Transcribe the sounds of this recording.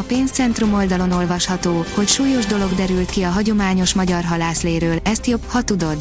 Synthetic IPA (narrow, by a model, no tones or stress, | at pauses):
ɒpeːnst̪sɛnt̪rumo̞ld̪ɒlo̞no̞lvɒʃhɒt̪oːho̞cʃuːjo̞ʒd̪o̞lo̞ɡd̪ɛɾylt̪kiɒɦɒɟo̞maːɲo̞ʃmɒɟɒrɦɒlaːsleːɾøːlɛst̪jo̞bhɒt̪ud̪o̞d̪